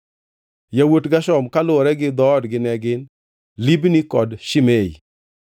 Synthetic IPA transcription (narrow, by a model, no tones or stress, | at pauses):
jawotɡaʃɔmkalʊɾɛɡɪd̪ɔːdɡɪnɛɡɪn | libnikɔdʃɪmei